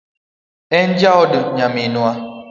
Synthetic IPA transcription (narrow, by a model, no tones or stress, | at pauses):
ɛn̩d͡ʒaɔdəɲamenua